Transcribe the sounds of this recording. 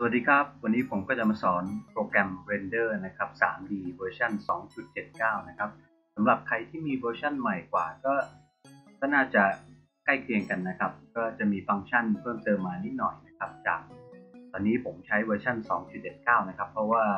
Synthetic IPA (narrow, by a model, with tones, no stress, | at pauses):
sa˨˩a˨˩t̪̚diː˧kʰa˦˥p̚wa˧nːiː˦˥pʰo˩˦mkɔː˥˩t͡ɕa˨˩maː˧sɔː˩˦npɾoː˧kɾɛ˧mwe˧ndɤː˥˩na˦˥kʰa˦˥p̚sa̰ː˩˦mdiː˧wəː˧t͡ɕʰa˥˩nsɔː˩˦ŋt͡ɕu˨˩t̪̚t͡ɕe˨˩t̪̚kaː˥˩wna˦˥kʰa˦˥p̚ | sa˩˦mɾa˨˩p̚kʰa˧jt̪ʰiː˥˩miː˧wɤː˧t͡ɕʰa˥˩nma˨˩jkwaː˨˩kɔː˥˩ | k̪ɔː˥˩naː˥˩t͡ɕa˨˩ | ka˥˩jkʰli˧əŋka˧nːa˦˥kʰa˦˥p̚kɔː˥˩t͡ɕa˨˩miː˧fa˧ŋt͡ɕʰa˥˩npʰɤː˥˩mt̪ɤː˧mːaː˧ni˦˥t̪̚nɔ˨˩jna˦˥kʰa˦˥p̚t͡ɕa̰ː˨˩k̚t̪ɔː˧nːiː˦˥pʰo˩˦mt͡ɕʰa˦˥jwɤː˧t͡ɕʰa˥˩nsɔ̰ː˩˦ŋt͡ɕu˨˩t̪̚t͡ɕe˨˩t̪̚kaː˥˩wna˦˥kʰa˦˥pʰːɾɔ˦˥waː˥˩